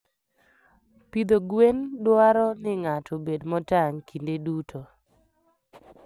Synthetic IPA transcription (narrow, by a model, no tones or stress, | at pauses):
pid̪oɡwendwaɾɔnɪŋatʰɔbedmɔtaŋkʰindedutʰo